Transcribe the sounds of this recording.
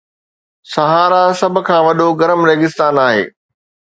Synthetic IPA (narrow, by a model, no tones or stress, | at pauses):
sɐɦaːɾasɐbʱʊ̆kʰãːʋɐɗoɡɐɾəmɾeːɡɪst̪aːnaːɦḛː